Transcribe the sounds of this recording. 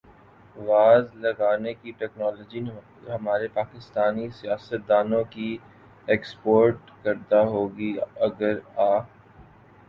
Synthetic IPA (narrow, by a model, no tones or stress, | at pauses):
ʋaːzlɐɡaːnekiʈɛːknɔːlɔːd͡ʒi | ɦɐmaːɾepaːkɪst̪aːnisijaːsət̪̚d̪aːnõki | eːkspoːɾʈ | kɐɾd̪aɦoːɡiɐɡəɾaː